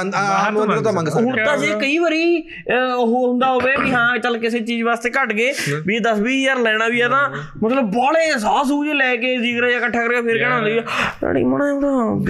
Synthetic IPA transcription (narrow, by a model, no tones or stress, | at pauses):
ɦoːɾt̪ãːd͡ʒeːkəiːʋəɾiː | ɦoɦʊ̃nd̪aːɦoːʋeːbiɦãːt͡ʃəlkɪseːt͡ʃiːd͡ʒʋaːst̪eːkəʈɡeːbid̪əsbiːjəɾlɛːɽ̃ãːʋiːɛt̪ãː | mət̪ləbːɔːleːsaːs̬uːd͡ʒelɛːkeːziːɡɾaːjãːkəʈʰːaːkəɾɡeːpʰɪɾkɛːɽaːɦʊnd̪ːina̰ːɽḭːməñãːt̪a